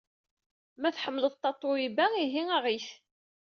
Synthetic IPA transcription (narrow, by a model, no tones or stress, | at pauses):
mæθħəmːələðt̪ˤːɑt̪ˤːoibæiɦiŋaʁiθ